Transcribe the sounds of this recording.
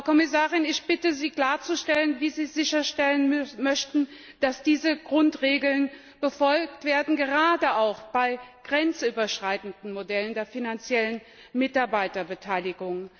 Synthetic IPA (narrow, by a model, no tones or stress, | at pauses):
kʰɔmɪs̬aːʁɪnɪçb̥ɪtəziːkl̥aːɐt͡suʃtɛlənviːziːzɪçɐʃtɛlənmœçtn̩ | d̥asd̥iːzəɡʁʊntʁeːɡl̩n | b̥əfɔlk̚tv̥eːɐdn̩ɡəʁaːdəaʊxb̥aɪɡ̥ʁɛnt͡sʔyːbɐʃʁ̥aɪtn̩dn̩modɛləndeːɐfinant͡sjɛlən | mɪtaɐbaɪtɐbətʰaɪlɪɡʊŋ